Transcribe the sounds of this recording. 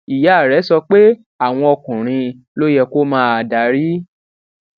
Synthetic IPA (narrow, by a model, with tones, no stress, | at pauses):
i˨ja˨ɾɛ˨˦sɔ˧k͡pe˦ | a˦˨w̃ɔ̃˧ɔ˧kũ˨ɾ̃ĩ˧ | lo˦jɛ˧ko˦mãː˦a˨da˨˦ɾi˦